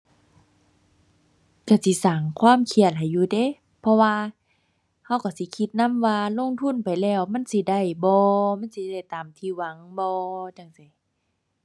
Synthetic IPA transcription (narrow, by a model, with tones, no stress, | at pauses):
ka˧˩si˧˦saː˨˩ŋkʰwaː˧˥˨mkʰi˧˩ət̪̚ha˨˩jːuː˧deː˧˥˨ | pʰɔ˧waː˧ | ha˧˥˨wka˧˩si˧˦kʰi˧˦t̪̚na˧˥˨mwaː˧lo˧˥˨ŋt̪ʰu˧˥˨npa˨jlɛː˧˩˨wma˧˥˨nsi˧˦da˧˩˨jbɔː˧ma˧˥˨nsi˧˦da˧˩jt̪aː˨mt̪ʰiː˧˩wa˧˦ŋbɔː˧t͡ɕa˧˩ŋsa˨˩˦